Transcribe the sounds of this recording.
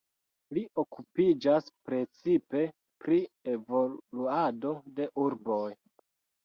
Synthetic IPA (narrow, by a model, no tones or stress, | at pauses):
liʔo̞kupid͡ʒaspɾe̞t͡sipe̞ | pɾievo̞luado̞de̞ʔuɾbo̞j